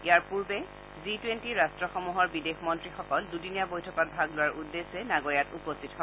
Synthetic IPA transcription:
iaɹpuɹbɛ | zitwentiɹastɹɔxɔmuɦɔɹbidexmɔntɹixɔkɔldudinijabojtʰɔkɔt̚bʱaɡlʊwaɹʔudːesɛnaɡɔɹjatupɔstʰitɦɔ

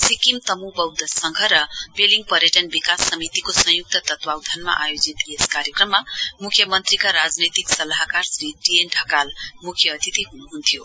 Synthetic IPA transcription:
sikimt̪ʌmubʌwd̪ʌsʌŋɡʱʌɾʌpeliŋɡ̚pʌɾjʌʈʌnbikasːʌmit̪ikosʌ̃juk̚t̪ʌt̪ʌt̪wawd̪ʱanma̰ʔajod͡zit̪eskaɾjekrʌmːamukʰːjʌmʌnt̪rikaɾad͡znet̪iksʌlaɦkarsriʈienʈʰʌkalmukʰjʌːt̪it̪iɦunuɦunt̪ʰjo

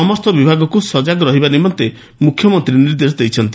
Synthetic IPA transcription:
ɔmɔst̪ʰɔbibʱaɡɔkusɔd͡ʒaɡɔɾɔɦibanimɔnt̪e | mukʰjɔmɔnt̪ɾiniɾd̪esɔd̪ejt͡ʃʰɔnt̪i

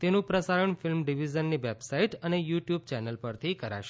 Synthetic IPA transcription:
t̪enũpɾəsaɾəɳfilmɖiʋid͡ʒənːiʋebsaiʈənejuʈjub̚t͡ʃɛnəlpəɾt̪ʰikəɾa̰ʃe̥

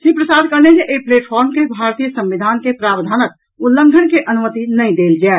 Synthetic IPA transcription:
sĩpɾəsaːd̪ʱkəɾned͡ʒeʔeipleːʈpʰɔɾmkebʱaɾt̪ijəsə̃mʋid̪ʱaːnkepɾabd̪ʱaːnək̪̚ | ulːə̃ŋɡʱənkeʔənumət̪inəĩd̪eːld͡ʒaː

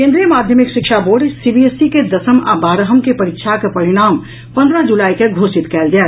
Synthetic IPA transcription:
kẽnd̪ɾijəmaːd̪ʱjəmikʃikʃʰaboːɖsibiesiked̪əsəma̰baːɾəɦəmkepɐɾikʃʰakepəɾiɽ̃aːm | pə̃nd̪ɾəd͡ʒulaːikeɡʱoːsit̪kɛːld͡ʒaː

